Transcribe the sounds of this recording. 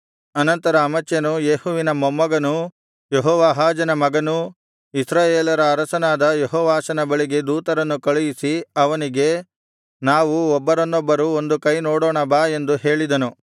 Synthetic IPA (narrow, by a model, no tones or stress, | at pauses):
ɐnɐnt̪ɐɾɐːmɐt͡ʃːjɐnujeːhuʋinɐmɔmːɐɡɐnu | jeɦɔːʋaːɦaːd͡ʒɐnɐmɐɡɐnu | isɾaːjeːlɐɾɐːɾɐsɐnaːd̪ɐjeɦɔːʋaːʃɐnɐbɐɭiɡe̞d̪uːt̪ɐɾɐnːukɐɭujisiɐʋɐniɡe̞ | naːʋuɔbːɐɾɐnːɔbːɐɾuond̪ukɐjnɔːɽoːɳɐbaːe̞nd̪uɦe̞ːɭid̪ɐnu